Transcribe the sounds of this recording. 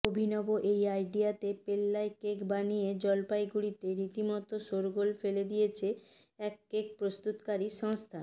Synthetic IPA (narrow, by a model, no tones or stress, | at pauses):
obʱinɔboʔejajɖijat̪epelːaekekbanijed͡ʑɔlpajɡuɽit̪eɾit̪imɔt̪oʃoɾɡolfeled̪ijet͡ɕʰe | ɛkːek̚pɾost̪ut̪kaɾiʃɔŋst̪ʰa